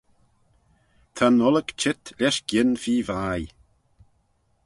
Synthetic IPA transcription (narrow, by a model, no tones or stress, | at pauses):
t̪ʰanɔləkt͡ʃɪt̪ʰlʲɛʃkjɪnfiːvaːj